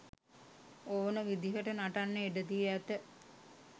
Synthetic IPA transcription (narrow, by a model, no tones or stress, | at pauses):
oːnəʋid̪iɦəʈənaʈanːeeɖəd̪iːæt̪ə